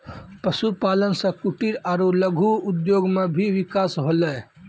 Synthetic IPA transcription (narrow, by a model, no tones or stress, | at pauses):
pəsupaːlənsɐ̃kuʈiɾaɾuləɡʱuʊd̪joːɡmẽbʱiʋɪkaːsɦoːlə